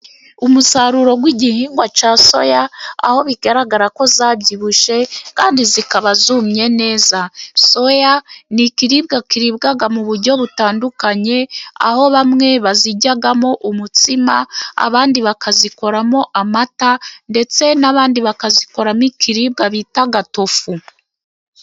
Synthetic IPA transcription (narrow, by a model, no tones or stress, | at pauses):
umusaɾuɾo̞ɡwiːɟihiːŋɡwat͡ʃaːso̞̰jaa̰ho̞βiɡaɾaɡaɾako̞zaːbɟiβuʃe̞kaːndizikaβazumɲe̞ne̞ːzaso̞janikiɾibɡakiɾiβɡaɡamuβuɾɟo̞βutaːndukaɲe̞a̰ho̞βamŋe̞βaziɟaɡamo̞ʔumut͡sima̰a̰βaːndiβakaziko̞ɾamo̞ʔamatande̞t͡se̞naβaːndiβakaziko̞ɾamikiɾiːb̚ɡaβiːtaɡato̞fu